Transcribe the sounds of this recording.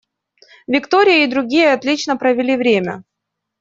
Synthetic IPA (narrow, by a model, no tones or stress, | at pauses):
vʲɪkt̪oɾʲɪjəɪd̪ɾʊɡʲijəɐt̪lʲit͡ɕnəpɾəvʲɪlʲivɾʲemʲə̰